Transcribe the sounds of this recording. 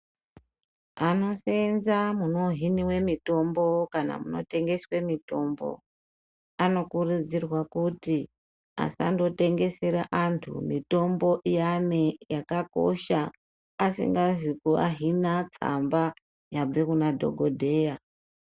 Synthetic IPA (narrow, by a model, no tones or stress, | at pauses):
ano̞senzamuno̞ɦiniwe̞mito̞mbo̞kana̰muno̞̰te̞ŋɡe̞swe̞mito̞mbo̞̰ | ano̞kurud͡zirwakuti | a̰sa̰ndo̞te̞ŋɡe̞se̞ɾaʔantʰṵmito̞mbo̞ʔijanejakako̞̰ʃaː | sḭŋɡazikua̰ɦinat͡sa̰mba | jab͡vekunadʱo̞̰ɡʱo̞dʱe̞ːja